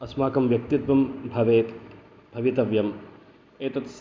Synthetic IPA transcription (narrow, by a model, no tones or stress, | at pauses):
ɐsmaːkɐmʋjɐk̚t̪id̪ʋɐmbʱɐʋeːt̪ | bʱɐʋit̪ɐʋjɐm | eːt̪ɐt̪s